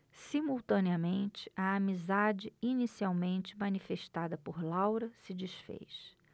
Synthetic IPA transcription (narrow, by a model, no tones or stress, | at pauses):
simuwt̪ɐ̃niɐmẽnt͡ʃɪ̥ɐːmizad͡ʒɪinisiawmẽnt͡ʃɪmɐnifeʃt̪ad̪ɐpoɾlawɾɐsɪd͡ʒisfḛjs